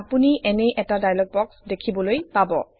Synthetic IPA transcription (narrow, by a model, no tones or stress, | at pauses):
apuniʔɛnɛʔɛtadajlɔk̚bɔksdekʰibɔlojpabɔ